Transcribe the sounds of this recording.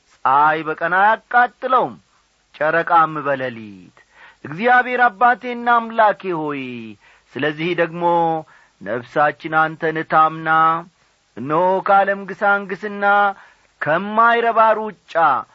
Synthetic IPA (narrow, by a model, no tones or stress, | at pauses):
sʼajbəkʼənajakʼːat̪ʼːɨləwm | t͡ʃʼəɾəkʼamːɨβələlit̪ | ʔɨɡzijaβhe̞ɾabːat̪ʰe̞nːamlakeho̞j | sɨləzːihd̪əɡmo̞ | nəβsat͡ʃːɪnant̪ʰənɨt̪ʰamna | ɨnːəhokʰaləmɡɨsaŋɡɨsɨnːa | kʰəmːajɾəβaɾuwʊt͡ʃʼːa